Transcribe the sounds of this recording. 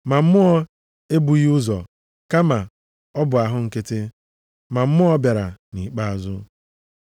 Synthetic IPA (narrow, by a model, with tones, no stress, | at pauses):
ma˨m̩˦mʊ˦ɔ˦ | e˦bu˨ɣi˦ʊ˦zɔ˨ | ka˦ma˨ | ɔ˦bʊ˨a˨ɦʊ˦ŋ̩˨ke˦tɪ˦ | ma˨m̩˦mʊ˦ɔ˦bja˨ɾa˨ni˨k͡pa˦a˨zʊ˦